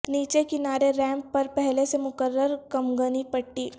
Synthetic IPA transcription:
niːt͡ʃekɪnaːɾeɾɛ̃ːmpːɐɾpɛɦlesemʊkəɾːəɾkɐmɡənipɐʈːiː

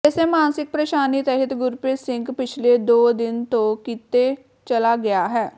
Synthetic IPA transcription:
ɛseːmaːnsɪk̚pɾəʃaːniːt̪ɛɦət̪ɡʊɾpeːsɪŋɡpɪt͡ʃʰleːd̪oːd̪ɪnt̪õːkit̪eː | t͡ʃəlaːɡɪjaːɦɛː

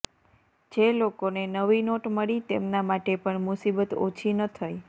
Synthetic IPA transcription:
d͡ʒelokonenəʋinoʈməɭit̪ḛmnamaʈepəɳmʊsibət̪o̰t͡ʃʰinət̪ʰaj

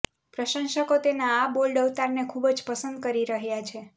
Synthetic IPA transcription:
pɾəʃənʃəkot̪enaːbolɖəʋt̪aɾnekʰubd͡ʒpəsənd̪̚kəɾiɾəɦjat͡ʃʰe

